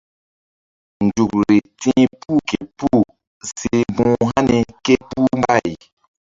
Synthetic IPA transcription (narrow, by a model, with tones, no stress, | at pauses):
n˨du˨kɾi˨tĩ˦pu˦ke˨pu˦˨ | si˨bũː˨ɦa˦ni˨ke˦pu˦mba˦˨ji˨